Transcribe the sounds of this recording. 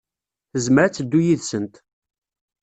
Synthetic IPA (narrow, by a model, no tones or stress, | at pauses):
θəzmɾæt͡sːəd̪ːujiðsənt̪